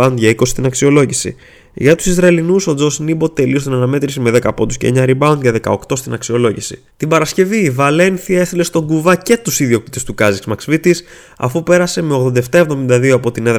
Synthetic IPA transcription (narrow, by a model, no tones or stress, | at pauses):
ɐund̪ʝɐiko̞sist̪inɐksio̞lo̞ʝisḭ | ʝɐt̪u̥sizɾɐelinuso̞d͡zosnibo̞t̪e̞list̪onɐnɐme̞t̪ɾisime̞ðe̞kɐpo̞nd̪usce̞ḛɲɐɾibɐwund̪ʝɐðe̞kɐ̰o̞kt̪o̞st̪inɐksio̞lo̞ʝisḭ | t̪imbɐɾɐsce̞viːvɐle̞nθiɐe̞st̪ile̞st̪o̞ɡuvɐce̞t̪usiðio̞k̚t̪it̪e̞st̪ukɐziksmɐksvit̪is | ɐ̰fupe̞ɾɐse̞me̞oɣðo̞nd̪ɐeft̪ɐevðo̞mind̪ɐðioɐpo̞t̪ineð